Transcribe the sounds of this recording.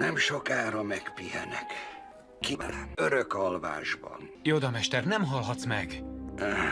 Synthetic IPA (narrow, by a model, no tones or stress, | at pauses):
nɛmʃokaːɾɒmɛkpihɛ̰nɛk | kiøɾøkɒlva̰ːʒbɒ̰njod̪ɒmɛʃt̪ɛrnɛmɦɒlɦɒt̪smɛɡ